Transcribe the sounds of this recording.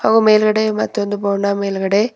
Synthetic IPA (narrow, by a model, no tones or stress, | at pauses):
aɣɐ̃meːlɣɐɽemɐt̪ːɯʋɐnd̪ɯp̬oːnaːmeːlɣɐɽe